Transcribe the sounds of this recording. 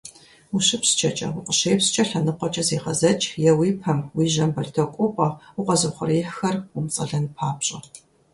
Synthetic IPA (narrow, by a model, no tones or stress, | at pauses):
uɕɪpst͡ʃʰʼɐt͡ʃʼɐ̰ʊqəɕeːjpst͡ʃʼɐɬɐnɨqʷɔt͡ʃʼɐzeːqɐzɐt͡ʃʼjɛwiːpʰɐmwiːʒɐmbɐɮtʰɐkʷʼʊpʷʼɐʊqʷɔzɐχʷʊriːħxɐrʊmt͡sʼɐɮɐnpʰaːpɕʼɪ